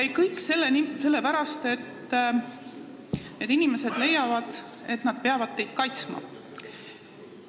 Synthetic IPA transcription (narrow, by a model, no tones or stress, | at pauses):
kæjkɤjkːˑse̞lːenise̞lːe̞pæɾɑst̪e̞t̪ː | ned̪̥inime̞se̞d̪̥le̞jɑvɑd̪̥ | e̞t̪nɑd̪̥̚peɑvɑd̪̥̚t̪e̞jd̪̥kɑjt̪smɑ̰